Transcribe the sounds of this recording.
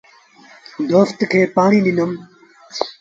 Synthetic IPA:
d̪oːft̪kʰeːpaːɳ̃ĩːd̪inəm

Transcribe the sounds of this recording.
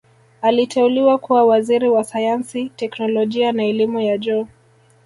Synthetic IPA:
alitʰɛuliwakuwawaziɾiwasajansitɛknɔlɔʄianaɛlimujad͡ʒɔ

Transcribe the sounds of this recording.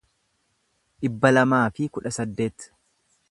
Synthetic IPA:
ʔɪbːɐlɐmaːfɪkʊᶑɐsɐd̪ːe̞ːt̪

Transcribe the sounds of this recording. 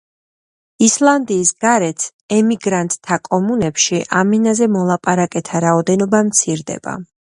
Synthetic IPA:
islˠand̪iːsɡaɾɛt̪ʰs | ɛmiɡɾant̪ʼt̪ʰːakʼɔmunɛpʃiʔaminazɛmɔlˠapʼaɾakʼɛt̪ʰaɾaɔd̪ɛnɔbamt̪sʰiɾd̪ɛ̰b̥a̰

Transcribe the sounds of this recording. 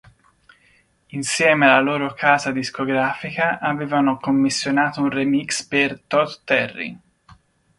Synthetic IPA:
insjɛːmealːaloːɾokʰaːzad̪iskoɡɾaːfikaʔaveːvanokomːisːjonaːt̪ounremikspert̪ɔt̪ːɛrːḭ

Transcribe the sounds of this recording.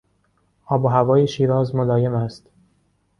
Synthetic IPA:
ʔɒːboɦævɒːjeʃiːɾɒːzmolɒːjemæst̪

